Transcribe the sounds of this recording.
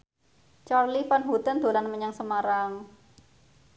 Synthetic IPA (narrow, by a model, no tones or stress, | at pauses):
t͡ʃarlifanɦut̪ənd̪̥o̤lanməɲaŋsəmaɾaŋ